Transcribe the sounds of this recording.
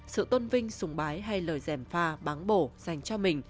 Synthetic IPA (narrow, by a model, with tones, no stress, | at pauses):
sɨ̰˧˨t̪o˧nvï˧ŋ̟sʊ˨˦ŋ͡mɓaː˨˦jɦa˧jləː˨˩jzɛ˧˩mfaː˧ɓaː˨˦nɓo˧˩z̥a˨˩jŋ̟t͡ɕɔ˧mï˨˩ŋ̟